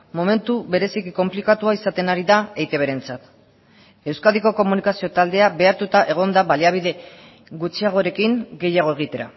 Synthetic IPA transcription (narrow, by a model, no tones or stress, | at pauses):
mo̞me̞nt̪uβe̞ɾe̞sikiko̞mplikat̪uaisat̪e̞naɾiðaejt̪e̞β̞eɾe̞nt͡sat̪ | e̞wskaðiko̞ko̞munikasio̞t̪ald̪e̞abe̞aɾt̪ut̪aʔe̞ɣ̞o̞nd̪aβaliaβ̞iðe̞ | ɣut͡ʃiaɣ̞o̞ɾe̞kiŋɡe̞jaɣ̞o̞e̞ɣ̞it̪e̞ɾa̰